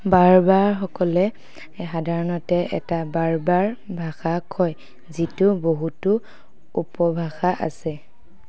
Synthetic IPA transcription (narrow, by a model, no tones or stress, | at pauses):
baɹbaɹxɔkɔlɛ | xadʱaɹɔnɔtɛɛ̰tabaɹbaɹbʱaxakʰɔj | zitʊboɦutʊ | upɔbʱaxaʔa̰sɛ